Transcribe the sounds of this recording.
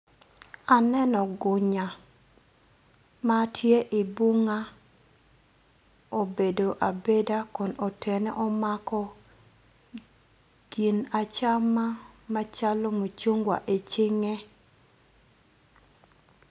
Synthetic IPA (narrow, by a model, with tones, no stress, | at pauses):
a˨nɛ˦nɔ˨ɡʊ˨ɲa˨ | ma˦tʰje˦ʔɪ˨bu˦ŋa˦ | o˨be˨do˨ʔa˨be˦da˦kɔ˨no˨te˨nɛ˦ʔɔ˦makɔ˦ | ɡ̥i˨na˨t͡ʃa˦ma˦ma˦t͡ʃa˦lo˦mo˨t͡ʃo˦ŋɡwa̰˨ʔe˨t͡ʃɪ˦ŋe˦